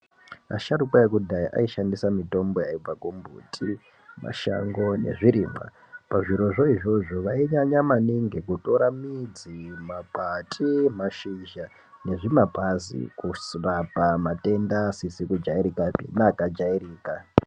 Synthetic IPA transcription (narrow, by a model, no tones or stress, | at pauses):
a̰ʃaɾukwaekudʱaiʔa̰iʃandisamito̞mbo̞jaib͡vakumbʱṵtʰʼi | ma̰ʃa̰ŋɡo̞ne̞̰ʐiɾiːma̰ | paʐiɾo̞ʐoiʐo̞ʐoʋaiɲaɲamaniŋɡe̞kuto̞ɾamid͡zimapatʼʰimaʃiʒa | ne̞ʐimapʼazḭkusrapamate̞ndasisikud͡ʒaiɾikapḭnaːkad͡ʒairiːka